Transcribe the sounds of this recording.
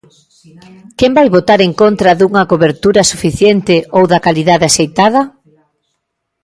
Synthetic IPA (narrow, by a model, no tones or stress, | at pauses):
kɛmbajβot̪aɾeŋkont̪ɾɐðuŋɐkoβeɾt̪uɾɐsufiθjent̪ɪowðɐkaliðaðeasejt̪að̞ɐ